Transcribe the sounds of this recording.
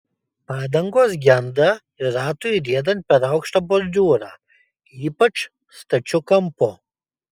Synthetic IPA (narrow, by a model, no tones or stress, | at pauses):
paːd̪ɐŋɡoːs̬ɡʲand̪ɐ | ɪɾaːt̪uiɾiɛd̪ɐn̚ʲpʲɛɾɐwkʃt̪ɐbʊɾd̪ʲuːɾa | iːpɐʈ͡ʂ | st̪ɐt͡ʃʊkɐmpʊ